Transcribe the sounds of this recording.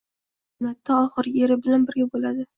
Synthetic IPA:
nat̪ʰːaɒχɨɾe̞ɾɪbɪlanbɪɾɡʲabolad̪ɪ

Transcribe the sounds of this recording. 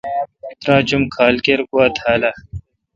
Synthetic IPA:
t̪ɾãːt͡ʃumkʰaːlkeɾkuɐt̪ʰaːla

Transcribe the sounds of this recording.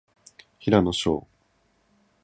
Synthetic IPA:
çiɾano̞ɕo̰ː

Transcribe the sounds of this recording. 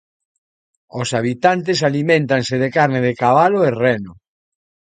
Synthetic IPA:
osaβ̞it̪ant̪̬es̬alimẽnt̪anseðekaɾneðekaβaloerɛno

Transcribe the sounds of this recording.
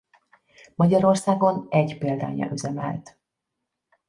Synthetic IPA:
mɒɟɒɾo̞rsaːɡo̞nɛɟpeːld̪a̰ːɲɒ̰ʔyzɛmɛ̰lt̪

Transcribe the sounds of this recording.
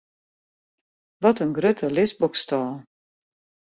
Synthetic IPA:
ʋɔtənɡrøtʰəlɪsbɔkstɔː

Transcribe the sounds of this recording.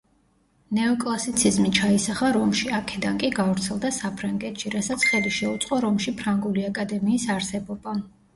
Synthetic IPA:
nɛɔkʼlˠasit̪sʰizmit͡ʃʰaisaχaɾɔmʃiakʰɛd̪ankʼiɡavɾt̪sʰɛlˠd̪asapʰɾaŋɡɛt̪ʃiɾasat̪sʰχɛd̪iʃɛut̪sʼqʼɔɾɔmʃipʰɾaŋɡuliakʼad̪ɛmiːsaɾsɛbɔba

